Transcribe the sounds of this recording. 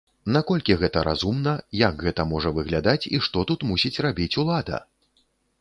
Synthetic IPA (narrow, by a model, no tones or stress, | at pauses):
nakɔlʲkʲiɣɛt̪ɐɾʔa̰zumnɐjaɡɣɛt̪ɐmɔʐɐvɨɣlʲad̪at͡sʲiʂt̪ɔt̪ut̪musʲit͡sʲrabʲit͡sʲulˠad̪ɐ̰